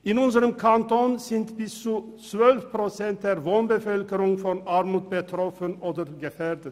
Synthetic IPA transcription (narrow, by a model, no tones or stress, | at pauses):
ɪnʊnsəɾəmkʰɑnt̪oːnsɪnt̪bɪsu | sʋœlfpʰɾʊsɛnt̪̚d̪eːɾʋoːnbəfœlkəɾʊŋfɔnɑɾmuːt̪̚bət̪ʰɾɔfənoːd̪əɾɡəfeːɾd̪ət̪